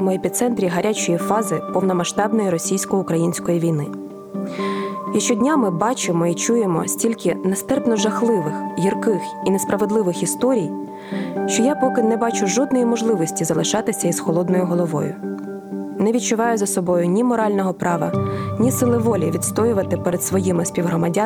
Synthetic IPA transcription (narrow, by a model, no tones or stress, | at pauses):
mɔepʲit̪sɛnt̪ɾʲiɦɐɾʲʔat͡ʃɔjifɑzɪpɔwnɔmɐʃt̪ɑbnɔjiɾɔsʲijsʲkɔjʊkɾɐjinʲsʲkɔjiʋʲijnɪ | jɐʃt͡ʃɔdʲnʲamɪbɑt͡ʃɪmɔit͡ʃujemɔ̰sʲtʲilʲkɪnɐst̪ɛrpnɔʒɐxlˠɪʋɪxjirkɪx | inɛspɾɐʋed̪lˠɪʋɪxist̪ɔɾʲij | ʃt͡ʃɔjapɔkɪnɛbɑt͡ʃʊʒɔd̪nɔjimɔʒlˠɪʋɔsʲtʲizɐlˠɪʃɑt̪ɪsʲɐizxɔlˠɔd̪nɔjʊɦɔlˠɔʋɔ̰jʊ̰ | nɛʋʲid̪̚t͡ʃʊʋɑjʊzɐsɔbɔjʊnʲimɔɾɑlʲnɔɦɔpɾɑʋɐ̰nʲisɪlˠɪʋɔlʲiʋʲid̪st̪ɔjʊʋɐt̪ɪpɛɾɛd̪sʋɔjimɪsʲpʲiwɦrɔmɐdʲa